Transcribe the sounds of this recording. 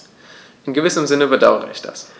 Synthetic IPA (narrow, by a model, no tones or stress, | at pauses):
ʔɪnɡəvɪsəmzɪnəbədaʊəʁə̰ʔɪ̰çd̥a̰s